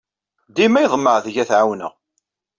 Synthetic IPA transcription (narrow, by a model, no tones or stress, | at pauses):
d̪imæjðˤmːəʕðəʝæθʕawnə̰ʁ